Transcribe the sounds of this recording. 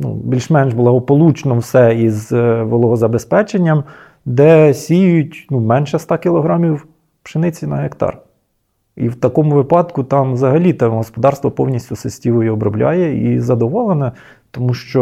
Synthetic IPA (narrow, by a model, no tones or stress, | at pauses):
nṵbʲilʲʃmɛnʒblˠɐɦɔpɔlˠut͡ʃnɔwsɛizʋɔlˠɔɦɔzɐbespɛt͡ʃenʲːɐm | d̪ɛsʲijjʊtʲnumɛnʃɛst̪ɑkʲɪlˠɔɦɾɑmʲiw | pʃɪnɪt͡sʲinɐɦekt̪ɑ̰r | ḭwt̪ɐkɔmʊʋɪpɑd̪kʊt̪ɑmʋzɐɦɐlʲit̪ɑmɦɔspɔd̪ɑrst̪ʋɔpɔwnʲisʲtʲʊsesʲtʲiʋɔjiɔbɾɔblʲɑ̰jɛḭzɐd̪ɔʋɔlˠenɛ | t̪ɔmuʃt͡ʃɔ